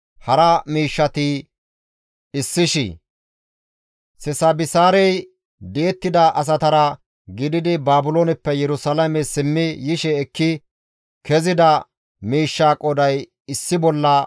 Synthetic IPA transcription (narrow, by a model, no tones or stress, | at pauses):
hɐɾɐmiːʃːɐt̪ɪ | ɪsːɪʃɪ̰ | sɛsɐbɪsaːɾɛj | d̪eːt̪ːɪd̪ɐʔɐs̬ɐt̪ɐɾɐ | ɡɪd̪ɪd̪ɪbaːbʊloːnɛpːɛjɛɾʊsɐlɐmɛsɪmːɪjɪʃɛːkːɪ | kʰɛzɪd̪ɐ | miːʃːaːkʼɔd̪ɐj | ɪsːɪbɔlːɐ